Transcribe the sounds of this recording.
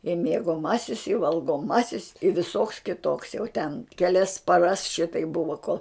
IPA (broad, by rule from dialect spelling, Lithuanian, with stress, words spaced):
ɪ mʲiɛɡoːˈmɑːsʲɪs ɪ ʋɐlˠɡoːˈmɑːsʲɪs ɪ ʋʲɪˈsoːks kʲɪˈtoːks jɛʊ tʲɛn kʲɛˈlʲɛs pɐˈrɐs ˈʃʲɪtɐɪp ˈbʊʋoː koːlˠ